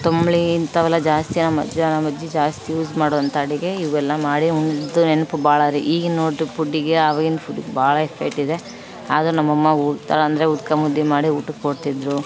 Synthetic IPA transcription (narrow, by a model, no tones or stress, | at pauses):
t̪omɭiːnt̪ɐʋɛlːɐd͡ʒaːst̪inɐmɐ̰d̪ɐnɐmɐd̪ːid͡ʒaːst̪ijuːzmaːɽɔʋɐnt̪ɐɐɽiɡe̞iʋɡɛlːɐmaːɽiuɳɖid̪ːunenupubaːɭɐɾiʔiːɡenoːʈupʰuɖːiɡeaʋaːɡinɐpʰuɖːiɡebaːɭɐepʰek̚ʈid̪e̞ | aːd̪ɐɾunɐmːɐmːɐuːɡt̪aːɭɐnd̪ɐɾeut̪̚kɐmud̪ːimaːɽiuːʈukkoɽt̪id̪ɾu